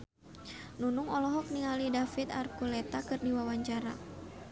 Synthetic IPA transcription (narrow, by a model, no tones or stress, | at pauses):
nunuŋɔlɔɦɔk̚niŋalidafit̪arkulɛt̪akɨrdiwawaɲt͡ʃaɾa